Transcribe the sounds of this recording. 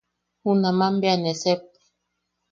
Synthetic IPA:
hunamambeanesep̚e̥

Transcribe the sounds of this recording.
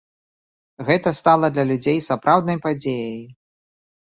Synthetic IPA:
ɣɛt̪ɐst̪alˠɐd̪lʲɐlʲud͡zʲejsapɾʔawd̪nɐjpad͡zʲejɐj

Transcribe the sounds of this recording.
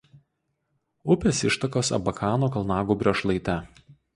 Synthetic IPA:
ʊpʲɛsɪʃt̪ɐkoːsɐ̰bɐkʰɑːnoːkɐlˠnɑːɡuːbʲɾʲoʃlˠɐɪt̪ʲɛ

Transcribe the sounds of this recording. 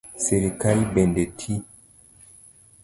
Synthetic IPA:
seɾekalbendetʰi

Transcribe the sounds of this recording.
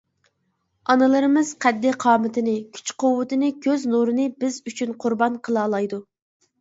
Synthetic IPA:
ɑnɨlˠɨɾɨmɨz̥qʰɛd̪ːɪqʰɑːmɨt̪ʰɪnɪkʲʰy̥t͡ʃqowːɨt̪ɨnɪkʲʰøznuɾɨnɨbɪzyt͡ʃʰynqʰʊɾbɑnqʰəlˠɑːlˠɑjd̪u

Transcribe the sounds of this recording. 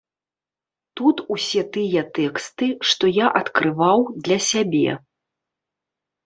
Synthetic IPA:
t̪ut̪usʲɛt̪ɨjɐt̪ɛkst̪ɨʂt̪ɔjaʔɐt̪kɾɨvawd̪lʲɐsʲabʲɛ̰

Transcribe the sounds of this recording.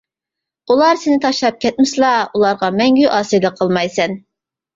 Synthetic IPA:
ulˠɑɾsɪnɪt̪ʰɑʃlˠɑp̚kʲʰɛt̪̚mɪslˠɑulˠɑɾʁɑmɛŋɡʲyʔɑːsɨjd̪əqʰəlˠmɑjsɛn

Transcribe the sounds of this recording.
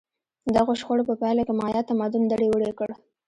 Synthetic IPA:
d̪aɣoʃxoɽopəpɑjlakemɑjɑt̪amad̪ʊnd̪aɽewəɽekəɽ

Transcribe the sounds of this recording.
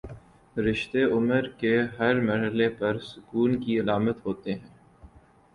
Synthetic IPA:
ɾɪʃt̪eʊməɾkeɦɐɾmɐɾɦəlepɐɾsʊkuːnkiɐlaːmət̪ɦoːt̪eɦɛ̃ː

